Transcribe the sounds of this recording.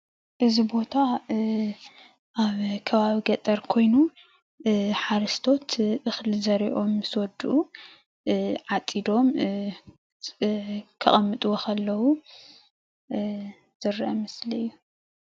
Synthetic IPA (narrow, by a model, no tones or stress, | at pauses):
ʔɨzibo̞t̪ʰa | ʔaβkʰɐβaβiɡɐt̪ʼɐɾkʰo̞jnu | ħaɾɐst̪ʰo̞t̪ʔɨxlzɐɾiʔo̞mːɨswɔd̪uʔu | ʕat͡sʼid̪o̞m | kʰɐ̰χʼɐmːɨt̪ʼuwokʰɐlːɐwu | z̥ɨɾʔɐmɨsliɨjːu